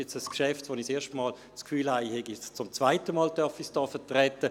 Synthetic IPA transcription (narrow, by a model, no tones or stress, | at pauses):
ɛt͡səskʃɛftʋoːniseːɐʃtmɑːl | t͡skfyːlhaɪhɛɡist͡sʊmt͡svaɪtəmɑːldœɐfisd̥ɑːfɛɐtʁɛtə